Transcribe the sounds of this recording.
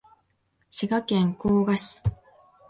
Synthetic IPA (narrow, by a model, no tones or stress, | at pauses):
ɕiɡakẽ̞ŋkoːɡaɕi̥